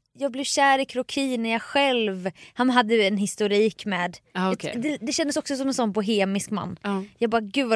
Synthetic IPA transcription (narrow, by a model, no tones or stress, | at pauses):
jɑːɡ̚blɪvɕæːɾɪkʰɾʊkʰiːnæɾjɑɡɧɛlvhanɦad̪ːəɛnhɪst̪ʊɾiːkmɛːd̪akʰd̪ɛd̪ɛɕɛnd̪əsɔksɔsɔmɛnsɔnːbʊɦeːmɪskma̰nːjɑːɡ̚bɑːɾɡʉ̟ːd̪va